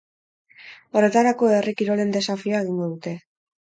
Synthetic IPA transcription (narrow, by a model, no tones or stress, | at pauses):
o̞re̞t̪aɾako̞erikiɾo̞le̞nd̪e̞safiaeɣ̞iŋɡo̞ðut̪e̞